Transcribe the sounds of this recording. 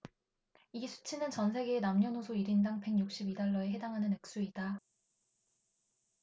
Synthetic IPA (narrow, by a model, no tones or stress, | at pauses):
iɡsʰu̥t͡ɕʰinɯnt͡ɕʌnsʰe̞ɡeːnamɲʌnosʰoiɾindaŋpe̞ŋjuk̚ɕ͈ibidaɭːʌe̞ɦe̞daŋɦanɯnɯk̚s͈uida